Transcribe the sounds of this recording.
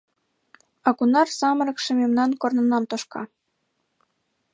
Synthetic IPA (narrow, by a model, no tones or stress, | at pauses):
ɑkunɑrsɑmɤɾɤ̆kʃə̆mʲemnɑnkornɤ̆nɑmt̪ŏʃkɑ̰